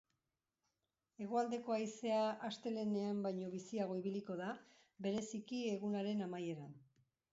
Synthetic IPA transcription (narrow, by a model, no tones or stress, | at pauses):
e̞ɣ̞oald̪e̞ko̞ajse̞aʔast̪e̞le̞ne̞ambajɲo̞βisiaɣ̞o̞iβiliko̞ða | be̞ɾe̞sikie̞ɣ̞unaɾe̞namaje̞ɾan